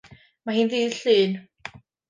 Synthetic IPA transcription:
mahiːnðiːɬɨːn

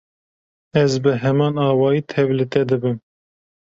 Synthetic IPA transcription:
ɛzbɨɦɛmɑːnɑːwɑːjiːt̪ʰɛvlɨt̪ɛd̪ɨbɨm

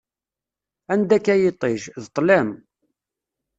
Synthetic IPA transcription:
ænd̪ækːæjɪt̪ˤːeʒðt̪ˤːlæm

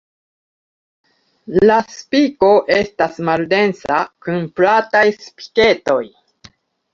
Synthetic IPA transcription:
laspiko̞ʔe̞stasmalde̞nsa̰kunplatajspi̥ke̞to̞j

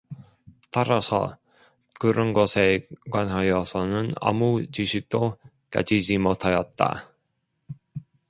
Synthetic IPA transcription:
t͈aɾasʰʌ̰ | kɯɾʌnɡʌsʰe̞kwanɦajʌsʰʌnɯna̰mut͡ɕiɕʰik̚t͈o | ka̰d͡ʑid͡ʑimotʰajʌt̚t͈a̰

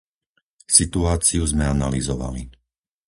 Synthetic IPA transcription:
sit̪uaːt͡siuzmɛanalizɔʋa̰li

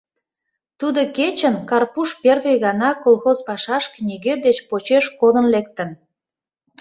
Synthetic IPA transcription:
t̪ud̪oket͡ɕənkɑrpuʃperɣejɣɑnɑkolˠxozpɑʃɑʃknʲiɣed̪et͡ɕpot͡ɕeʃkod̪ənlek̚t̪ən

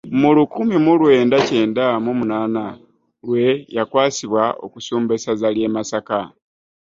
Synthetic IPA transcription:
mulukumimulwe̞ːndace̞ːndamomunaːna | lwe̞jakwaːsiβwao̰kusuːmbe̞sazalje̞ːmasaka

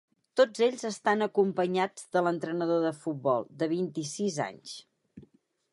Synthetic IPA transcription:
t̪od͡zeʎzəst̪anəkumpəɲad͡zðələnt̪ɾənəðoðəfut̪̚bɔlˠd̪əβ̞int̪isiza̰ɲs

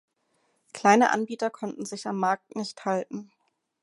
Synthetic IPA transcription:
kl̥aɪnə̰ʔa̰nbiːtɐkʰɔntn̩zɪçamːaɐk̚tnɪçthaltn̩

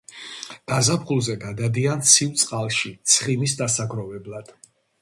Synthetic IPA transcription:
ɡ̥azapχulˠzɛɡad̪ad̪iant̪sʰivt̪sʼqʼalˠʃit̪sʰχimisd̪asaɡɾɔvɛblˠad̪̥

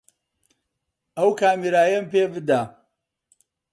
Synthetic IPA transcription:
ɐwkʰaːmiɾaːjɐmpeːbɨd̪a

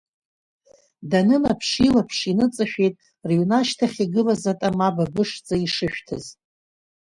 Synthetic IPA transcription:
danɨnapʰʂilapʰʂinɨt͡sʼɨʃᶣejtʼ | rjunaʃtʰaχʲiɡɨlazatʼamababɨʂt͡sʼaiʂɨʃᶣtʰɨz

